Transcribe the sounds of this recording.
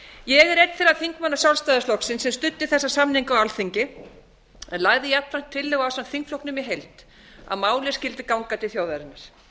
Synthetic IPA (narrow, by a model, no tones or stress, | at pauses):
jɛɣɛɾɛt̪θfɪɾaðθiŋkmanːasjawlst̪ajðɪslɔksɪnsɛmst̪ʏt̪ːɪθɛsːasamniŋkawalθiɲcɪ | ɛnlaːɣðɪjɛat̪ːɾan̥t̪ʰːɪlːɛɣaawsamθiŋkflɔwhknʏmiɦejlt̪ | a̰ðmaːwlɛ̥scɪlt̪ɪkawŋkat̪ʰɪlθjoːwðaɾɪnːaɾ̥